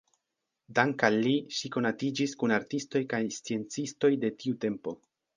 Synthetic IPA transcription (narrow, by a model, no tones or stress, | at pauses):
daŋkalːiʃiko̞natid͡ʒiskunaɾtisto̞jkajst͡sie̞nt͡sisto̞jde̞tiute̞mpo̞